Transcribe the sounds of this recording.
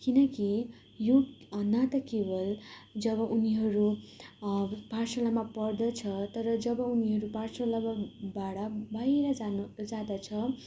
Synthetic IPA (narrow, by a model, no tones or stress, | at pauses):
kinʌki | jonat̪ʌkebʌld͡zʌbʌʔuniɦʌɾu | bʱarsʌlamapʌrd̪ʌt͡sʰʌt̪ʌɾʌd͡zʌbʌuniɦʌɾubʱarsʌlababaɽʌbajɾʌd͡zad͡zad̪ʌt͡sʰʌ